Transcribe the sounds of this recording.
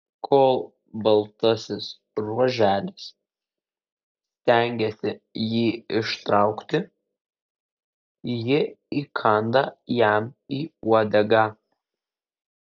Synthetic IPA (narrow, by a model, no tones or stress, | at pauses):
kʰoːlˠ | bɐlˠt̪ɐsʲɪs | ɾuɔʒʲæːlʲɪs | sʲt̪ʲæˑŋʲɡʲɛsʲɪjiːɪʃt̪ɾɑˑʊkt̪ʲɪ | jɪiːkʰɐnd̪ɐjæmiːuɔd̪ʲɐɡɑ